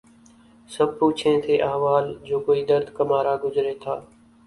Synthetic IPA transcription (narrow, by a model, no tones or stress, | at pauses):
səb̚puːt͡ʃʰẽːt̪ʰeːʔəɦʋaːld͡ʒoːkoːiːd̪əɾd̪ʱkəmaːɾaːɡʊzɾeːt̪ʰaː